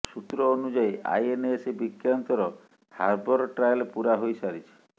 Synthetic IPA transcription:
sut̪ɾɔːnud͡ʒajʔa̰jenesebikjant̪ɔɾɔ | ha̰ɾbɔɾɔʈɾajɔlpuɾaɦojsaɾit͡ʃʰi̥

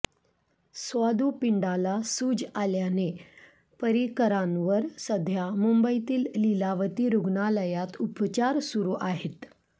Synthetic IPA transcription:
sʋad̪upiɳɖalasuːd͡ʑaljane | pəɾikəɾanʋəɾsəd̪ʱjamumbəit̪iːlːilaʋət̪iːɾuɡnaləjat̪upt͡ɕaɾsuɾuːʔaɦet̪

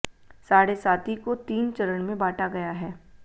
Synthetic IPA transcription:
saːɽesaːt̪ikot̪iːnt͡ʃɐɾəɽ̃mẽbaːʈaɡɐjaɦɛː

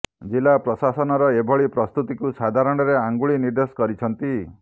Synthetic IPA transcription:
d͡ʒilapɾɔsasɔnɔɾɔebʱɔɭipɾɔst̪ut̪ikusad̪ʱaɾɔɽ̃ɔɾeaŋɡuɭiniɾd̪esɔ̥kɔɾit͡ʃʰɔnt̪i

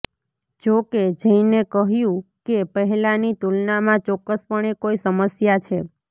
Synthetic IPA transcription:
d͡ʒoked͡ʒəinekəɦjũkepəɦɛlanit̪ulnamãt͡ʃɔkːəspəɳ̃ekoisəməsjat͡ʃʰe

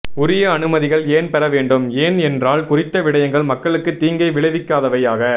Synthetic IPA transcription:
ʊɾɪjɐːnɯmɐðɪɣɐɭeːnpɛɾɐʋeːɳɖɯmeːnɛndraːɭkʊrɪt̪ːɐʋɪɽɐjɐŋɡɐɭmɐkːɐɭɯkːɯt̪ːiːŋɡɐɪʋɪɭɐʋɪkːaːðɐʋɐjaːɣɐ

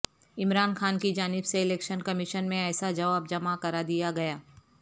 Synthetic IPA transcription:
ɪmɾaːnxaːnkid͡ʒaːnɪbseɪlɛːkʃənkɐmɪʃənmẽɛːsad͡ʒɐʋaːb̚d͡ʒɐmakɐɾad̪ijaɡɐjaː

